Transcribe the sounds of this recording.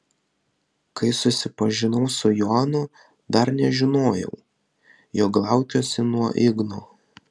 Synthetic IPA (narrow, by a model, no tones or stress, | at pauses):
kɐɪsʊsʲɪpɐʒʲɪnɐʊsʊjoɑnʊ | d̪ɐɾnʲɛʒʲɪnoːjɛ̰ʊ | joːk̚ɡlˠɑˑʊt͡ʃʲosʲɪnuɔʔɪɡnoː